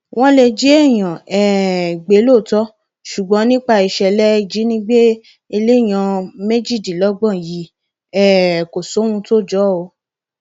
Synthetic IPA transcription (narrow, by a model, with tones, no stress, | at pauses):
w̃ɔ̃˦le˧d͡ʒi˨˦e˦˨j̃ã˨ɛ˨ɡ͡be˨˦lo˦˨tɔ˦ | ʃu˨ɡ͡bɔ̃˨˦nĩ˦k͡pa˧i˨ʃɛ˧lɛ˦˧d͡ʒi˨˦nĩ˦ɡ͡be˦ | e˧le˦˨j̃ã˧me˦d͡ʒi˦˨di˨lɔ˦ɡ͡bɔ̃˦˨ji˨˦ | ɛ˦˨ko˨so˨˦ũ˧to˦˨d͡ʒɔ˨˦o˧